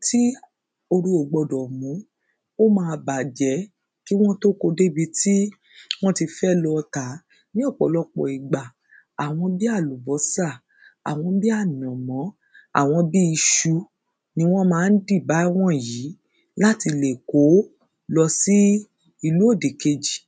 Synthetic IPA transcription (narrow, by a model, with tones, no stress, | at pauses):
ti˦ | o˧ɾu˧o˨ɡ͡bɔ˧dɔ˨mũ˨˦ | o˦mãː˧ba˨d͡ʒɛ˨˦ | ki˦w̃ɔ̃˦to˦ko˧de˦bi˧ti˦ | w̃ɔ̃˦ti˧fɛ˦lɔ˧ta˨˦ | nĩ˦ɔ˦˨k͡pɔ˨lɔ˧k͡pɔ̰˨i˨ɡ͡ba˨ | a˨w̃ɔ̃˧bi˦a˦˨lu˨bɔ˨˦sa˦˨ | a˨w̃ɔ̃˧bi˦a˦˨n˨ɔ̃˨mɔ̃˨˦ | a̰˦˨w̃ɔ̃˧bi˦i˧ʃu˧ | nĩ˧w̃ɔ̃˦mãː˨˧n̩˦di˦˨ba˨˦w̃ɔ̃˦˨ji˨˦ | la˦ti˧le˨ko˨˦ | lɔ˧si˦ | i˧lu˨˦o˦˨de˨ke˧d͡ʒi˨